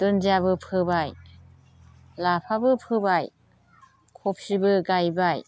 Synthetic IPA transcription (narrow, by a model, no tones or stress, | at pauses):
t̪ɯnd͡ʒiabɯpʰɯbaj | lapʰabɯpʰɯbaj | kʰop̚sibɯɡajbaj